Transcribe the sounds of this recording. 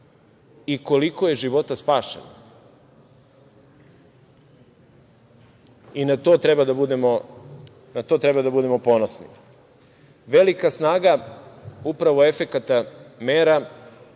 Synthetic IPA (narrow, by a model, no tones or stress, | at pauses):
iko̞likoje̞ʒiʋo̞t̪aspaːʃḛna | inat̪o̞t̪ɾebad̪abud̪e̞mo | nat̪o̞t̪ɾebad̪abud̪e̞mo̞po̞nosnḭ | ʋe̞likasnaːɡa | upɾaʋoe̞fe̞kat̪ameːɾa